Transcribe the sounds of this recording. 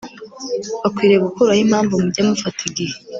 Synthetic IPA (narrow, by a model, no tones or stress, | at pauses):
βakwiːɾeɡukuɾahim̥haːɱvumubɟamufatʰiɡihe